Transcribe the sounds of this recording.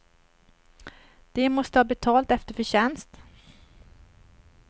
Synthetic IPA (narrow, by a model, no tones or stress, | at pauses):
d̪̥ɛmɔst̪əhɑːbɛt̪ʰɑːlt̪ɛft̪əɾfœɕɛnst̪